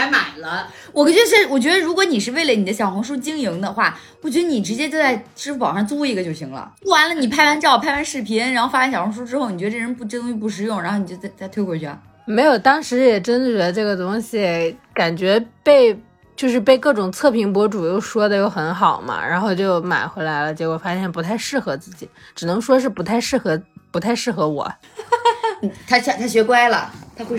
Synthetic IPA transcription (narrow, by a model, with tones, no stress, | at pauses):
a˧˥ɪma˨˩ɪlə˦ | wɔ˨˩kə˥t͡ɕɥɛ˧˥ʂə˥˩wɔ˨˩t͡ɕɥɛ˧˥d̪ə˧ɻu˧˥kwɔ˧˥ni˨˩ʂ̬ɻ̩˥˧we˥˩ɪlə˩ni˨˩d̪ə˦ɕjɑ˨˩ʊxʊ˧˥ŋʂ̬u˥t͡ɕi˥ŋji˧˥ŋd̪ə˧xwa̰˥˩ | pu˥˩t͡ɕɥɛ˧˥d̪ə˧ni˨˩ʈ͡ʂɻ̩˧˥t͡ɕjɛ˥t͡ɕjo˥˧t͡sa˥˧ɪʈ͡ʂɻ̩˥u˥p̬ɑ˨˩ʊʂa˥˧nt͡su˥˧i˥˩ɡə˩t͡ɕjo˥˩ʊɕi˧˥ŋlə̰˧u˥˩wa˧˥nlə˧ni˨˩pʰa˥˩ɪwa˧˥nt͡ɕjɑ˥˩ʊpʰa˥˩ɪwa˧˥nʂɻ̩˥˩pʰi˥nɻa˧˥nxo˥˧ʊfa˥a˥ɕɑ˨˩xʊ˧˥ŋʂ̬u˥ʈ͡ʂɻ̩˥xo˥˩ni˨t͡ɕɥɛ˧˥ə˧ʈ͡ʂɻə˧˥npu˥˩ʈ͡ʂd̪ʊ˥ŋ˥ɕi˧pu˥˩ʂ̬ɻ̩˧˥jʊ˥˩ŋɻa˧˥nxo˥˩ni˨˩t͡ɕo˥˧t͡sa˥˧t͡sa˥˧ɪwe˥ɪkwɔ˧t͡ɕʰy˥˩a̰˧˩ | me˧˥ɪjo˨˩ʊt̪ɑ˥ŋʂɻ̩˧˥jɛ˨˩ʈ͡ʂə˥nə˨t͡ɕɥɛ˧˥ə˧ʈ͡ʂɤ˥˩ɡə˩t̪ʊ˥ŋɕi˨ka˨˩nt͡ɕɥɛ˧˥pe˥˧ɪ | t͡ɕjo˥˧ʊʂ̬ɻ̩˥˧pe˥˧ɪkɤ˥˩ʈ͡ʂʊ˨˩ŋt͡sʰɤ˥˩pʰi˧˥ŋpwɔ˧˥ʈ͡ʂu˨˩jo˥˩ʊʂwɔ˥d̪ə˨jo˥˩ʊxə˧˥nxɑ˨˩ʊmɐ̰˦ɻa̰˧˥nxo˥˧ʊt͡ɕjo˥˩ʊma̰˨˩ɪxwe˧˥ɪla˧˥ɪlə˧t͡ɕjɛ˧˥kwɔ˨˩fa˥ɕjɛ˥˩npu˧˥t̪ʰa˥˧ɪʂɻ̩˥˩xɤ˧˥t͡sɹ̩˥˩t͡ɕḭ˨˩˦ | ʈ͡ʂɻ̩˨˩nɤ˧˥ŋʂwɔ˥ʂ̬ɻ̩˥˩pu˧˥t̪ʰa˥˧ɪʂɻ̩˥˩xɤ˧˥pu˧˥t̪ʰa˥˧ɪʂɻ̩˥˩xɤ˧˥wɔ̰˨˩˦ | n̩˨˩t̪ʰa˥ɕɑ˥t̪ʰa˥ɕɥɛ˧˥kwa˥ɪlə̰˨˩t̪ʰa˥xwe˥˧˩